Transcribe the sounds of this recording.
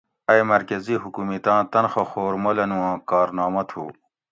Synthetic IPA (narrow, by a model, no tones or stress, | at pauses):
ɐjmɐɾkɐziɦukumit̪ãːt̪ɐnxɐxoːɾmolɐnũwãːkɑːɾnɑːmɐt̪ʰṵː